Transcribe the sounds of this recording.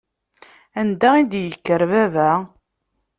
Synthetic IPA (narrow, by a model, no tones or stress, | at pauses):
ænd̪æid̪jəkːəɾvævæ